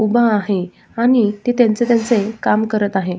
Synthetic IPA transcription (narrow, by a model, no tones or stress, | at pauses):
ubaːɦe | aɽ̃it̪et̪jant͡set̪jant͡sekamkəɾət̪aɦe